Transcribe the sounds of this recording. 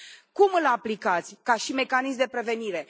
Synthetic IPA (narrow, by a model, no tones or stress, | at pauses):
kumɨlaplikat̪sʲkaʃime̞kanis̬md̪e̞pɾe̞ve̞niɾe̞